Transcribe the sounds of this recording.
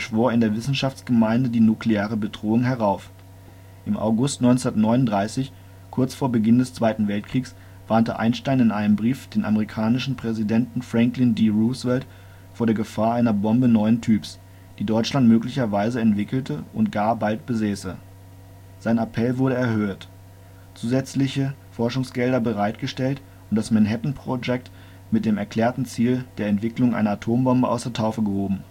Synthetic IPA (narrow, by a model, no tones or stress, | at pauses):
ʃv̥oːɐɪndeːɐvɪsn̩ʃaft͡sɡ̥əmaɪndədiːnukleeːʁəbədʁoːʊŋɦɛʁaʊf | ʔɪmʔa̰ʊɡʊstnɔʏnt͡sundɐtnɔʏnʊntdʁaɪsɪç | kʰʊɐt͡sfoːɐbəɡɪndɛst͡sv̥aɪtn̩vɛltkʁ̥iːks | v̥aːntə̰ʔa̰ɪnʃtaɪnɪnʔaɪnəmbʁiːfd̥eːnʔa̰məʁikʰaːnɪʃn̩pʁ̥ɛzidɛntn̩fʁ̥ɛŋklɪndiʁuːsv̥ɛlt | foːɐɾeːɐɡəfaːɐaɪnɐbɔmbənɔʏntʰyːps | d̥iːdɔʏt͡ʃlantmøːklɪçɐvaɪzəɛntv̥ɪkl̩tʰəʔʊnt̚ɡ̥aːɐbalt̚b̥əzɛːsə | z̥aɪnapʰɛlvʊɐɾəɛɐhøːt | t͡suːzɛt͡slɪçəfɔɐʃʊŋsɡ̥ɛldɐbəʁaɪtɡ̥əʃtɛlt | ʊntd̥asmɛnɦɛtn̩pʁ̥od͡ʒɛk̚t | mɪt̚d̥eːmɛɐkl̥ɛːɐtn̩t͡siːld̥eːɐɛntv̥ɪklʊŋʔa̰ɪnɐatʰoːmbɔmbəʔa̰ʊsd̥eːɐtʰaʊfəɡəhoːbm̩